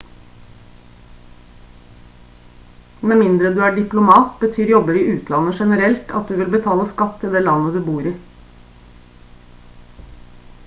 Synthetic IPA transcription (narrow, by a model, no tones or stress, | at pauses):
mɛnmɪnd̪ɾəd̪ʉːæːɖɪplʊmɑːt̪bət̪ʰyːɾjɔbəɾɪːʉːt̪ʰlɑnəʃɛnəɾɛlt̪ʰɑ̰t̪̚d̪ʉːʋɪlbət̪ʰɑːləskɑt̪ʰːɪld̪eːlɑnəd̪ʉːbuːɾiː